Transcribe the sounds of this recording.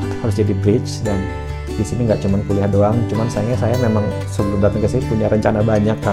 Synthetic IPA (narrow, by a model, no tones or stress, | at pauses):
haɾʊsd͡ʒadibɾɪt͡ʃdan | disiniŋɡaʔt͡ʃumankuliɦadoaŋt͡ʃumansajaɲasajamemaŋ | səuludat̪əŋkəsipuɲaɾəɲt͡ʃanabaɲakːa